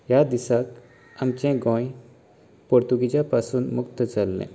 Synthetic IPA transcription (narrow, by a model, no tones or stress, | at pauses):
jad̪isak | amt͡ɕɛ̃ɡɔ̃j | pɔɾt̪uɡit͡ɕjapasuːnmukt̪ət͡salːɛ̰̃